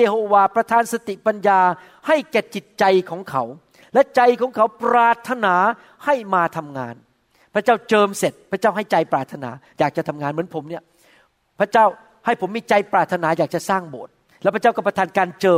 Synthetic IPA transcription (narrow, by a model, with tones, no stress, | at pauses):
jeː˧hoː˧waː˧pɾa˧t̪ʰaː˧nsa˧t̪i˨˩pa˧njaː˧ | ha˥˩jkɛː˨˩t͡ɕi˨˩t̪̚t͡ɕa˧jkʰɔː˩˦ŋkʰa˨˦w | lɛ˦˥t͡ɕa˧jkʰɔː˩˦ŋkʰa˩˦˥wpɾaː˨˩t̪ʰːa˧naː˩˦ | ha˥˩jmaː˧t̪ʰa˧mŋa̰ː˧n | pʰɾa˦˥t͡ɕaː˥˩wt͡ɕɤː˧mse˨˩t̪̚pʰa˦˥t͡ɕaː˥˩wɦa˥˩jt͡ɕa˧jpɾaː˨˩t̪ʰːa˧na̰ː˩˦jaː˨˩k̚t͡ɕa˨˩t̪ʰa˧mŋaː˧nmɯ˩˦ənpʰo˩˦mni˥˩ɐ | pʰɾa˦˥t͡ɕaː˥˩w | ha˥˩jpʰo˩˦mːiː˧t͡ɕa˧jpɾaː˨˩t̪ʰːa˧naː˩˦jaː˨˩k̚t͡ɕa˨˩saː˥˩ŋbo̰ː˨˩t̪̚ | lɛ˦˥pʰa˦˥t͡ɕa˥˩kɔ˥˩pɾa˧t̪ʰːnkaː˧nt͡ɕɤː˧